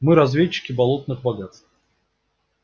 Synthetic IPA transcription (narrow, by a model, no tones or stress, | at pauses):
mɨɾɐzvʲet͡ɕːɪ̥kʲɪbɐlˠot̪̚nɨɣbaɡat̪st̪f